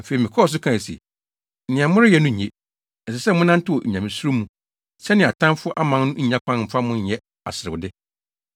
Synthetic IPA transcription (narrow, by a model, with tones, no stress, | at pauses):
fe˨ɾi˨mɪ̃˨kʰɔ˦ɔ˨s̬ʊ˦kʰã˨sḭ˨ | nɪ̃˨ã˨mʊ̃˦ɾɪ˦jɛ˨˦nʊ̃˦ɲ̩˨e˦ | ɛ˨sɪ˨sɛ˦mʊ̃˦nã˦n̩˦tʰɪ˦wɔ˨ʔ̩˨ɲã˨mɪ̃˨su˦ɾo˦mũ˦ | sɛ˦nɪ̃˨a˨tʰã˦mfʊ˦ʔa˦mã˦n˦nʊ̃˦ɲ̩˦ɲã˦kʰʷã˦nm̩˨fa˦mʊ̃˦ɲ̩˨jɛ˦ | a̰˨sɪ˨ɾɪ˨wdɪ˦